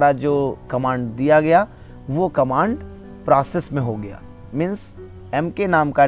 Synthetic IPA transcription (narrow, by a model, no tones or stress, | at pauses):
ɾad͡ʒoːkɐmãːɳɖd̪ijaɡɐja | ʋokɐmãːɳɖ | pɾaːsesmẽɦoɡɐja̰ː | mɪ̃ns | ɛmkenaːmka